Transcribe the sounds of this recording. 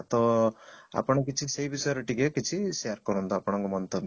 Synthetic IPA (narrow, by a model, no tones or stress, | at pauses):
at̪ɔ | a̰pɔɽ̃ɔkit͡ʃʰiseɦibisɔjɾɔʈikekit͡ʃʰisejaɾkɔɾɔnt̪ɔapɔɽ̃ɔŋkɔmɔnt̪ɔb